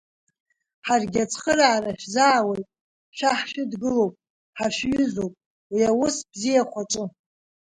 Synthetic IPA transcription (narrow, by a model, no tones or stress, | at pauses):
ħarɡʲat͡sʰχəɾaːraʃᶣzaːwe̞jtʼ | ʃʷᶣaħʃɪdɡɨlo̞wpʼ | ħaʃɥʏzowpʼ | wiawʊsbzijaχʷaʈ͡ʂʼɨ